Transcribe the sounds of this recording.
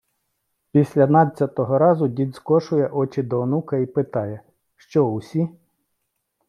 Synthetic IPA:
pʲisʲlʲɐnɑt͡sʲːɐt̪ɔɦɔɾɑzʊdʲid̪skɔʃʊjɛʔɔt͡ʃɪd̪ɔːnukɐipɪt̪ɑjɛ | ʃt͡ʃɔʊsʲi

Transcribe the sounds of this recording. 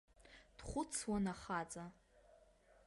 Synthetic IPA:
d̥χʷʊt͡sʰwanaχat͡sʼa

